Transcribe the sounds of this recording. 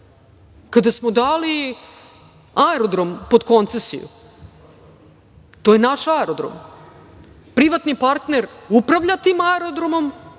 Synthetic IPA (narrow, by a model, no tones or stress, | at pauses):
kad̪asmod̪aːli | aeɾod̪ɾo̞mpo̞d̪ko̞nt̪sesḭjṵ | t̪o̞jenaʃaeɾod̪ɾo̰m | pɾiʋat̪nipaɾt̪neɾupɾaʋʎat̪iːmaeɾod̪ɾo̞mo̞m